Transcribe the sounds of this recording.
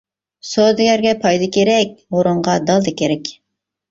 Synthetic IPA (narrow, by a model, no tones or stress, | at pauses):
sod̪ɪɡʲæɾɡʲɛpʰɑjd̪ɨkʲʰeɾɛk̚ʲmoɾʊɴʁɑd̪ɑlˠd̪ɨkʲeɾɛkʲ